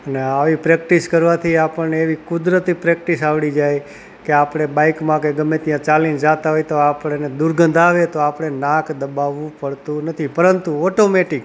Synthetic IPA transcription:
əneaʋipɾɛk̚ʈiskəɾʋat̪ʰiapəɭneːʋikʊd̪ɾət̪ipɾɛk̚ʈisaʋɽid͡ʒaj | keapɽ̃ebaikmãkeɡəmːet̪ijãt͡ʃalind͡ʒat̪aɦojt̪oapɽ̃ened̪uɾɡə̃nd̪aʋet̪oapɽ̃enakd̪əbaʋũpəɽt̪ũnət̪ʰipəɾənt̪uɔʈomeʈik

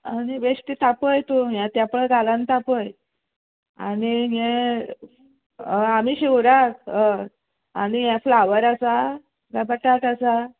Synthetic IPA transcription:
aniʋeɕʈ̪it̪apəjt̪uɦjãt̪japɭəd̪alãnt̪apəj | a̰niɦe | amiːɕiwɾakə | añijaflaʋəɾasa | ɡapaʈaʈasa

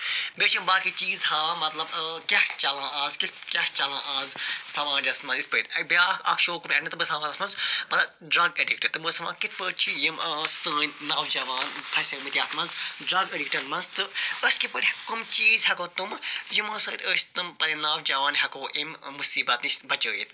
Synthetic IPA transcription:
beːt͡ʃʰimbaːkit͡ʃiːzhaːmɐt̪lɐbkʲɐht͡ʃɐlãːaːzkit̪kʲɐht͡ʃɐlãːʔaːzsɐʋãːd͡ʒʲɐsmɐnzit̪ʰpəːt̪ʲɐbaɐkʰʃoːkumʲɐnit̪ɨbəsɐmaːzɐsmɐnzmɐt̪lɐb | ɖɾɐɡeɖikʈɐɾt̪ɨməsɐʋã̰ːkit̪ʰpəːt͡ʃʰijimsəːnʲnaːwd͡ʒɐʋaːnpʰɐsʲɐmɨt̪ʲjaːt̪mɐnzɖɾɐɡeɖikʈɐɾmɐnzt̪ɨəsʲkipəɾkumt͡ʃiːzɦɐkoːt̪umjimɐ̃ːsəːt̪ʰʲəːsʲt̪ɨmpɐɾʲinaːwd͡ʒɐʋaːnɦɐkoːʔimmusiːbɐt̪nisʲbɐt͡ʃəːjit̪

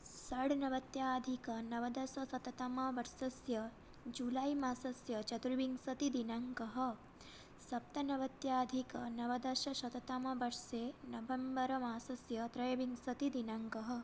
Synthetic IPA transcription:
sɐɽnɐʋɐt̪jaːd̪ʱikɐnɐʋɐd̪ɐsɐsɐt̪ɐt̪ɐmɐʋɐɾsɐsjɐ | d͡ʒulaːjmaːsɐsjɐt͡ʃɐt̪ɾuʋiŋsɐt̪id̪inɐŋkɐɦɐ̆ | sɐp̚t̪ɐnɐʋɐt̪jaːd̪ʱikɐnɐʋɐd̪ɐʃɐʃɐt̪ɐt̪ɐmɐʋɐɾseːnɐʋɐmbɐɾɐmaːsɐsjɐt̪ɾɐjɐʋiŋsɐt̪id̪inɐŋkɐɦɐ̆

